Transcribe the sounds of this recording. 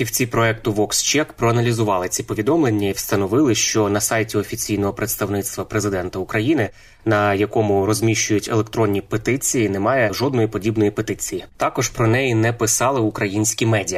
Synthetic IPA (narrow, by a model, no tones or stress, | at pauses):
pʲiwt͡sʲipɾɔɛkt̪ʊʋɔkst͡ʃɛkpɾɔɐnɐlʲizʊʋɑlˠɪt͡sʲipɔʋʲid̪ɔmlˠenʲːɐiwst̪ɐnɔʋɪlˠɪʃt͡ʃɔnɐsɑjtʲiɔfʲit͡sʲijnɔɦɔpɾet̪st̪ɐwnɪst̪ʋɐpɾezɪd̪ɛnt̪ɐʊkɾɐjinɪ | nɐjɐkɔmʊɾɔzʲmʲiʃt͡ʃʊjʊtʲḛlˠekt̪ɾɔnʲːipet̪ɪt͡sʲijinɛmɑjɛʒɔd̪nɔjipɔdʲibnɔjipet̪ɪt͡sʲijit̪ɑkɔʒpɾɔnɛjinɛpɪsɑlˠɪʊkɾɐjinʲsʲkʲimɛdʲijɐ